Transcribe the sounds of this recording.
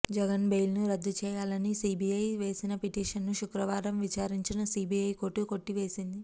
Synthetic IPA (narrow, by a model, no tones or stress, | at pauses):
d͡ʒɛɡɐnbejlnuɾɐd̪ːut͡ʃɛːjaːlɐnisiːbiɐjʋe̞ːsinɐpiʈiːʂɐnːuʃukɾɐʋaːɾɐmʋit͡ʃaːɾiɲt͡ʃinɐsiːbiɐjkoʈːuko̞ʈːiʋe̞ːsind̪i